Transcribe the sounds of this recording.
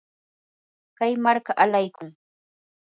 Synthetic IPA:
kajmaɾkaʔalajkʊŋ

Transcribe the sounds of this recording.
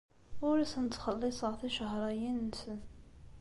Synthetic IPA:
ʊɾisənt̪ːχəlːisˤəʁθiʃəɦɾˤɑjinːsən

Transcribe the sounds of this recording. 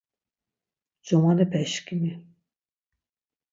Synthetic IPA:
d͡ʒɔmanɛpʰɛʃkʰʼimi

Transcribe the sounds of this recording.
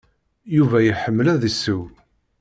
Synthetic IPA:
juvæjəħəmːəlæðisːəw

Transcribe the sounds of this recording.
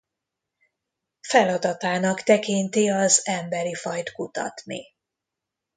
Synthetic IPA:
fɛlɒd̪ɒt̪aːnɒkt̪ɛkint̪iɒzɛmbɛɾifɒjt̪kut̪ɒ̰t̪nḭ

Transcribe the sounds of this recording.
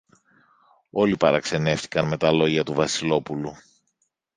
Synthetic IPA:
o̞lipɐɾɐkse̞ne̞ft̪i̥kɐnme̞t̪ɐlo̞ʝɐt̪uvɐsilo̞pulu

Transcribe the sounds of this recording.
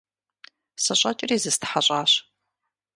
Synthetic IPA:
sɐɕʷʼɐt͡ʃʼɪriːzɨstʰħaɕʼaːɕ

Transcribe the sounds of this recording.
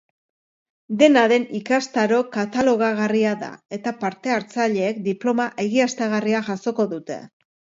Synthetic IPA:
d̪e̞naðe̞nikast̪aɾo̞kat̪alo̞ɣ̞aɣ̞ariaða̰e̞t̪apaɾt̪e̞aɾt͡saʎe̞ːk̚d̪iplo̞maʔe̞ɣ̞iast̪aɣ̞ariaʝaso̞ko̞ðut̪e̞̰

